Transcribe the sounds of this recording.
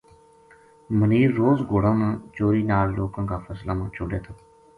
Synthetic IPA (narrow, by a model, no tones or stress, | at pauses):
məniːɾːoːzɡoːɽãːmãːt͡ʃoːɾiːnaːlloːkãːkaːfʰəslaːmãːt͡ʃʰoɖjaːt̪ʰaː